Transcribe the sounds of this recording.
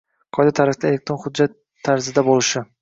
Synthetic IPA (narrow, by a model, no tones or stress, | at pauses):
qʰɒjd̪at̪ʰaɾafd̪ae̞le̞k̚t̪ɾo̞nχʊd̪̚d͡ʒːat̪ʰːaɾzɪd̪abolɪʃɪ